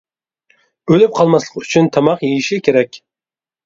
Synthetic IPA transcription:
ølyp̚qʰɑlˠmɑslˠə̥qyt͡ʃʰynt̪ʰɑmɑqjejiʃikʲʰeɾɛkʲ

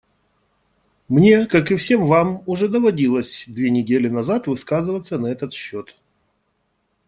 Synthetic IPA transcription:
mnʲe̞kakɨfsʲe̞mvamʊʐɛd̪əvɐdʲilˠəsʲd̪vʲenʲɪdʲelʲɪnɐzat̪vɨskazɨvət̪sənɐɛt̪ət̪ɕːot̪

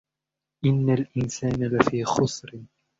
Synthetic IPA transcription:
ʔɪnːalʔɪnsaːnalafiːxʊsˤɾɪ

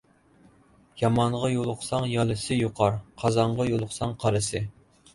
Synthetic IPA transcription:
jɑmɑɴʁɑjolˠʊqsɑŋjɑlˠɨsɨjuqʰɑɾqʰɑzɑɴʁɑjolˠʊqsɑŋqʰɑɾɨsɨ

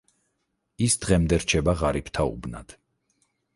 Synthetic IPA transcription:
isd̪̥ʁɛmd̪ɛɾt͡ʃʰɛbaʁaɾipʰt̪ʰaṵbna̰d̪̥

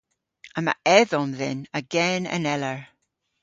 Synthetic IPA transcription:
ãma̰ʔɛðɔnðɛnəɡɛnə̰̃nɛləɹ

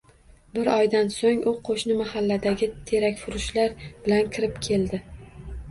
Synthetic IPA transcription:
bɪɾɒjd̪ansoŋʊqʰoʃnɪmahalːad̪aɡʲɪt̪ʰe̞ɾakʲfʊɾʊʃlaɾb̥ɪlankʲʰɪɾɪpkʲʰe̞ld̪ɪ

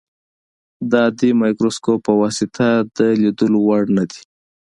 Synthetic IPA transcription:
d̪ɑd̪imɑjkɾoskopəwɑsɪt̪ʰad̪əlid̪əlowaɽnad̪i̥

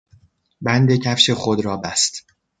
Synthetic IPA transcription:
bænd̪e̞cʰæfʃe̞xod̪ɾɒːbæst̪

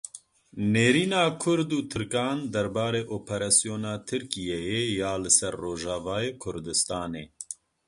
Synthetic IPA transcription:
neːɾiːnaːkʰʊɾd̪uːt̪ʰɨɾkɑːnd̪ɛɾbaːɾeːʔoːpʰɛɾaːsijoːnaːt̪ʰɨɾkijɛjejaːlɨsɛɾːoːʒɑːvaːjeːkʰʊɾd̪ɨst̪ɑːneː

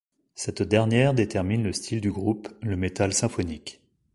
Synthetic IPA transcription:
sɛt̪d̪ɛʁnjɛʁd̪et̪ɛʁminləst̪ʰild̪yɡʁupləmet̪alsɛ̃fɔnik

